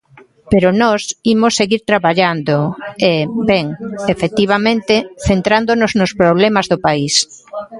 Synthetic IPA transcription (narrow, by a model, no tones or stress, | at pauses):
peɾʊnɔsimosːeɣiɾt̪ɾaβaʎand̪oebɛŋefet̪iβ̞amẽnt̪ɪθent̪ɾand̪onʊznospɾoβ̞lemazðopais